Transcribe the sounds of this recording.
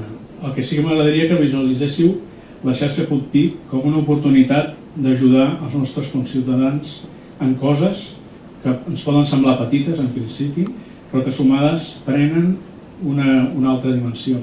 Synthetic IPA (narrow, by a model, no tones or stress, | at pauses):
əlˠkɛsikəməɣɾəðəɾiəkəβizuəlizɛsiw | ləʃaɾʃəpulˠt̪ipkomunəupuɾt̪unit̪at̪̚ | d̪əʒuðaəlˠznɔst̪ɾəskunsiwt̪əðanz | əŋkɔzəs | kəənspɔðənsəmblapət̪it̪əzəmpɾinsipi | pɾɔkəsumaðəspɾɛnən | unəunalˠt̪ɾəðimənsio